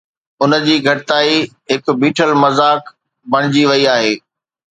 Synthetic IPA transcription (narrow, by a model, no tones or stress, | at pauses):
ʊnə̆d͡ʑiːɡʱɐʈɪt̪aːi | ɦɪkbiːʈʰəlmɐzaːk | bɐɽ̃ɪd͡ʑiʋɐiaːɦeː